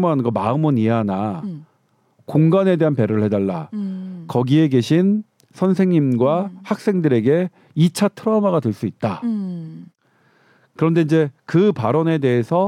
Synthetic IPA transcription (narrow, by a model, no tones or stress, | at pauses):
moɦanɯnɡʌmaɯmɯniɦana | koŋɡane̞de̞ɦanpe̞ɾɯɭhe̞daɭːa̰kʌɡie̞ɡe̞ɕʰin | sʰʌnsʰe̞ŋɲimɡwahak̚s͈e̞ŋdɯɾe̞ɡe̞ | it͡ɕʰatʰɯɾʌmaɡadweɭs͈uit̚t͈a | kɯɾʌnde̞inɲd͡ʑe̞kɯpaɾʌne̞de̞ɦesʰʌ